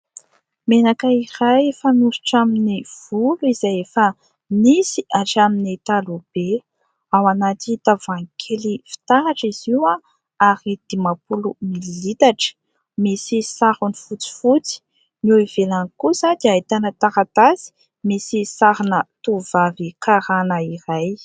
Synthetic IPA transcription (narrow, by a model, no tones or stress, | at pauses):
menakəirajefanusu̥ʈ͡ʂaminiv̥uluizajefə | nisiʔaʈ͡ʂaminit̪alub̥e | awanat̪it̪avaŋkʰelifi̥t̪aɦaʈ͡ʂiziwa | aɾid̪̥imapulumilit̪aʈ͡ʂə̥ | misisaɾunifut͡si̥fut͡si̥ | nuivelanikuzad̪ajt̪anət̪aɾat̪azi̥ | misisaɾinət̪uvavikaɾanəiɾaj